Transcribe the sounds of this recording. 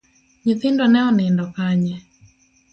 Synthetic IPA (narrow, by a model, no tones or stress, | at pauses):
ɲiθɪndɔnɛɔnɪndɔkaɲɛ